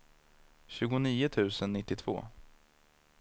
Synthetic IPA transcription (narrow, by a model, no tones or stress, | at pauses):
ɕʉ̟ːɡʊniːʊt̪ʰʉ̟ːsənːɪt̪ːɪt̪ʰvo̰ː